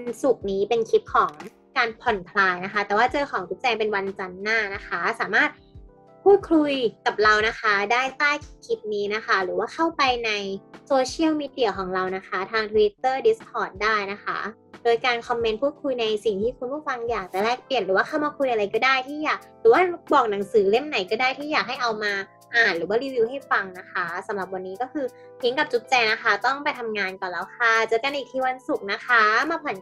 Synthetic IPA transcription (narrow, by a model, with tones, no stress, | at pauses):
nsu˨˩k̚niː˦˥pe˧nkʰi˦˥p̚kʰɔː˩˦ŋ | kaː˧npʰɔ˨˩nkʰlaː˧jna˦˥kʰa˦˥t̪ɛː˨˩waː˥˩t͡ɕɤː˧kʰɔː˩˦ŋkʰi˦˥p̚t͡ɕɛː˧ŋpe˧nwa˧nt͡ɕa˧nːaː˥˩na˦˥kʰa˦˥saː˨˩˦maː˥˩t̪̚ | pʰuː˥˩t̪̚kʰlu˧jka˨˩p̚ɾa˧wna˦˥kʰa˦˥daː˥˩jt̪aː˥˩jkʰkʰi˦˥p̪̚niː˦˥na˦˥kʰa˦˥ɾɯː˩˦waː˥˩kʰa˥˩wpa˧jna˧jsoː˧t͡ɕʰi˥əwmiː˧di˨˩ɐkʰɔː˩˦ŋɾa˧wna˦˥kʰa˦˥t̪ʰaː˧ŋt̪ʰu˧wi˦˥t̪ːɤː˥˩di˦˥skʰɔː˨˩t̪̚daː˥˩jna˦˥kʰa̰˦˥ | doː˧jkaː˧nkʰɔ˧mːe˧npʰuː˥˩t̪̚kʰu˧jna˧jsi˨˩ŋt̪ʰiː˥˩kʰu˧npʰu˥˩fa˧ŋjaː˨˩k̚t͡ɕa˧˨˩lɛː˥˩k̚pli˨˩ənɾɯː˨˩˦waː˥˩a˥˩wmaː˧kʰu˧jʔa˧ɾa˧jkɔː˥˩daː˥˩jt̪ʰiː˥˩jaː˨˩k̚ɾɯː˨˦waː˥˩bɔː˨˩k̚na˩˦ŋsɯː˩˦le˥˩mna˨˩˦jkɔː˥˩daː˥˩jt̪ʰiː˥˩jaː˨˩k̚ɦa˥˩jʔa˧wmaː˧ | ʔaː˨˩nɾɯː˩˦waː˥˩ɾiː˧wiː˧wɦa˥˩jfa˧ŋna˦˥kʰa˦˥sa˩˦mɾa˨˩p̚wa˧nːiː˦˥kɔ˥˩kʰɯː˧ | pʰi˦˥ŋka˨˩p̚t͡ɕu˦˥t̪̚t͡ɕɛː˧na˦˥kʰa˦˥t̪ɔ˥˩ŋpa˧jt̪ʰa˧mŋaː˧nkɔ˨˩nlɛː˦˥wkʰa˥˩t͡ɕɤː˦˥ka˧nʔiː˨˩k̪̚ʰiː˧wa˧nsu˨˩k̚na˦˥kʰa˦˥maː˧pʰɔ˨˩˦n